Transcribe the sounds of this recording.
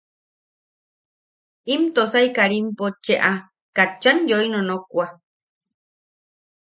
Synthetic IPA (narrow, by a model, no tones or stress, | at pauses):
imt̪osaikaɾimpot͡ʃeʔa | kat͡ʃːanjoinonokʷa